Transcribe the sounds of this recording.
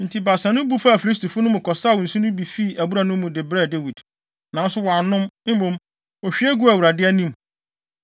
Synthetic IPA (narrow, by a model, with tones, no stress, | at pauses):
n̩˨tʰi˨ba˨sã˨nʊ̃˦bu˦fa˦a˨fi˨li˦s̬ti˨fʊ˦nʊ̃˦mʊ̃˨kʰɔ˨sa˦˨n̩˨sũ˦nʊ̃˦bi˨fi˦˨æ˨bu˦ɾa˨nʊ̃˦m˦mʊ̃˨dɪ˨bɾɛ˦˨de˦wi˨d | nã˨˦n˦sʊ˦wɔ˨a˨nʊ̃˦m˦m̩˦bõ˨m | ɔ˨ɕᶣi˦æ˦ɡu˦æ˨wu˨ɾa˨dɪ˦ɛ˦nĩ˦m